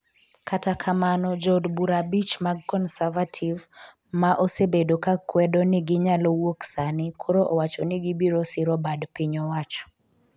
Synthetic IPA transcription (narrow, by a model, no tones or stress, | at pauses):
kʰatakʰamanɔd͡ʒɔdbuɾabit͡ʃmaɡ̚kɔnsavatʰiv | maʔosebedokakwɛdɔnɪɡɪɲalɔwoksanɪkʰoɾoʔɔwat͡ʃɔniɡibiɾosɪɾɔbadpiɲɔwat͡ʃɔ̥